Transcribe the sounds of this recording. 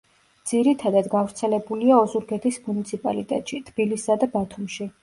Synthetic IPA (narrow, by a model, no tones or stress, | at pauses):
d̪z̥iɾit̪ʰad̪ad̪ɡavɾt̪sʰɛlɛbuliaɔzuɾɡɛt̪ʰismunit̪sʰipʼa̰lit̪ʼɛ̰t̪ʼʃit̪ʰb̥ilisːad̪abat̪ʰumʃi